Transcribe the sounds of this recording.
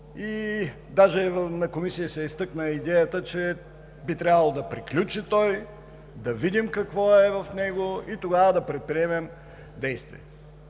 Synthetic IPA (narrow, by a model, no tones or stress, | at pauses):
i | d̪aʒɛvnɐkomisijəsɛist̪ɤknəid̪ɛjət̪ət͡ʃɛ | bit̪ɾʲjabɐlˠod̪ɐpɾiklʲut͡ʃit̪ɔj | d̪ɐvid̪imkɐkvɔɛvɐfnɛɡoit̪oɡavəd̪ɐpɾɛt̪̚pɾiɛmɛm | d̪ɛjst̪vḭɛ